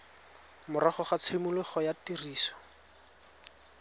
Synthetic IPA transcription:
mʊɾɔχɔχat͡sʰemulɪχɔjatiriːsɔ̥

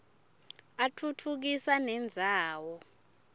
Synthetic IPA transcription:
atʰutʰuk̬isanɛnd͡zʱaːwɔ

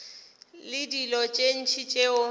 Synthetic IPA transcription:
lɪdilɔt͡ʃʼen̩t͡ʃʰit͡ʃʼeʊ

